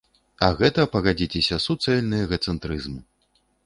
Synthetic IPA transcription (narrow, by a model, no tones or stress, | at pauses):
ɐɣɛt̪ɐpɐɣad͡zʲit͡sʲesʲɐsut̪sɛlʲnɨjɐɣɐt̪sɛnt̪ɾɨzmɨ